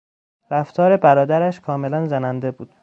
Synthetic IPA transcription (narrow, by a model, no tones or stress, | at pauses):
ɾæft̪ʰɒːɾe̞bæɾɒːd̪æɾæʃkʰɒːme̞lænzænænd̪e̞buːd̪̥